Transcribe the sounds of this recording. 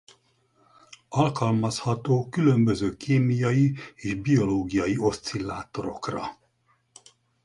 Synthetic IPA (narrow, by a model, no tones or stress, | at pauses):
ɒlkɒlmɒshɒt̪oːkylømbø̞zøːkʰeːmijɒjieːʒbio̞loːɡijɒjio̞st̪silːaːt̪oɾo̞̰krɒ̰